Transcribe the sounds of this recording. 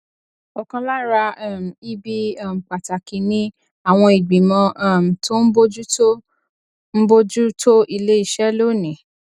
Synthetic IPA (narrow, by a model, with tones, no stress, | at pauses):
ɔ˨kã˧la˦ɾa˧˦˨m̩˨i˦bi˦˨m̩˨k͡pa˨ta˨ki˨nĩ˦ | a˦˨w̃ɔ̃˧i˨ɡ͡bi˨mɔ̃˧˦˨m̩˨tʰo˦n̩˦bo˦d͡ʒu˦to˦ | m̩˦bo˦d͡ʒu˦tʰo˦ʔi˧le˦i˦˨ʃɛ˦lo˦˨nĩ˨